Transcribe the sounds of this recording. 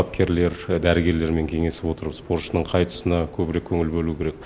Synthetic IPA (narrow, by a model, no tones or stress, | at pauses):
ɑp̚kʲʰe̞ɾle̞ɾd̪æɾɪɡʲe̞ɾle̞ɾme̞ŋkʲʰe̞ŋe̞sɪ̥pwo̞t̪əɾbəzspo̞rt̪ʃənəɴqʰɑjt̪ə̥sənɑkʲʰɵbɪɾekʲʰːɵŋɪlbɵlukʲʰe̞ɾek